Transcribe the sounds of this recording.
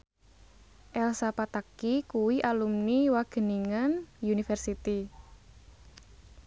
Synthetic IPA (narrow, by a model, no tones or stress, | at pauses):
ʔɛlsapat̪akikuwiʔalumniwaɡ̥ə̤niŋənjunifɛrsit̪i